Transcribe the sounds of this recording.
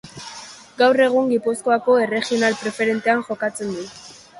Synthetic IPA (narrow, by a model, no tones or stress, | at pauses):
ɡawre̞ɣ̞uŋɡipusko̞ako̞e̞re̞xio̞nalpɾe̞fe̞ɾe̞nt̪e̞aŋʝo̞kat͡se̞nd̪u